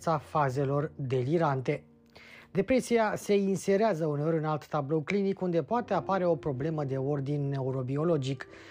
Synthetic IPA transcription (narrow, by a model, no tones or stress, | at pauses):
safaze̞lo̞rd̪e̞liɾant̪e̞ | d̪e̞pɾe̞siase̞inse̞ɾeazəuneo̞ɾʲunalt̪ːablo̞wklinikund̪e̞poat̪e̞apaɾe̞o̞pɾo̞ble̞məd̪e̞o̞rd̪inːe̞uɾo̞bio̞lo̞d͡ʒik